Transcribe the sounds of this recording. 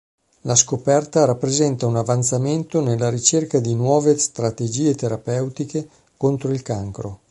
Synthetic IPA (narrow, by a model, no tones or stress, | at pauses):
laskopɛrt̪aɾapːɾezɛnt̪aunavant̪sament̪onelːaɾit͡ʃerkad̪inwɔːvest̪ɾat̪ed͡ʒiːet̪eɾapɛwt̪ike | kont̪ɾoilkaŋkɾo̰